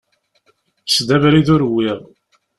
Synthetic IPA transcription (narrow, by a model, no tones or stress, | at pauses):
sd̪ævɾiðʊɾwːiʁ